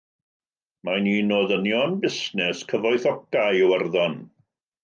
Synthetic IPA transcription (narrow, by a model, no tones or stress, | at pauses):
maniːnoðənjɔnbɪsnɛskʰəvɔɨθɔkajɔwərðɔn